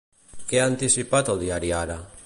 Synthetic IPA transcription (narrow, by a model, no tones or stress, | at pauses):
keaant̪isipat̪od̪iaɾjaɾa